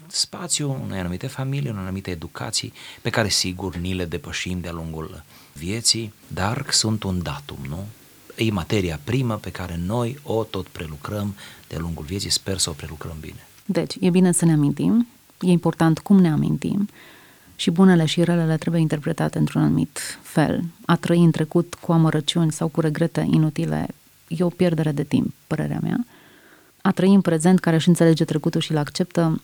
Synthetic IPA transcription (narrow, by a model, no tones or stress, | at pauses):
spat̪sjuṵnejanumit̪e̞familijunejanumit̪eːd̪ukʰa̰t̪sḭjpe̞kaɾe̞siɡurnile̞d̪e̞pəʃimd̪ealuŋɡul | vie̞t̪sijd̪arsunt̪und̪at̪ṵmnu | jemat̪e̞ɾiapɾiməpe̞kaɾe̞no̞jo̞t̪o̞t̪pɾe̞lukɾəmd̪̥ea̰luŋɡulvijesijspersəopɾe̞lukɾəmbḭne̞ | d̪e̞t͡ʃʲjebine̞səneamint̪im | je̞impo̞rt̪ant̪kumne̞amḭnt̪ḭm | ʃibune̞le̞ʃirelele̞t̪ɾe̞buje̞int̪e̞rpɾe̞t̪at̪e̞ɨnt̪ɾunanumḭt̪fe̞̰lat̪ɾəiɨnt̪ɾe̞kut̪kuaməɾʔət͡ʃiunʲsawkuɾe̞ɡɾe̞t̪e̞̰ʔinut̪ilḛ | je̞o̞pje̞rd̪e̞ɾe̞d̪e̞t̪ḭmp̚ːəɾe̞̰ɾea̰mea̰ | at̪ɾəiɨnpɾe̞ze̞nt̪̚kaɾe̞ɨʃɨnt̪sele̞d͡ʒe̞t̪ɾe̞kut̪ulʃilakt͡ʃe̞p̚t̪ə